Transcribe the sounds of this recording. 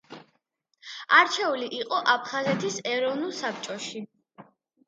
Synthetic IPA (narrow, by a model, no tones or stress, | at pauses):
aɾt͡ʃʰɛuliʔiqʼɔʔapʰχazɛt̪ʰisɛɾɔvnulˠsap̚ʰt͡ʃʼɔʃi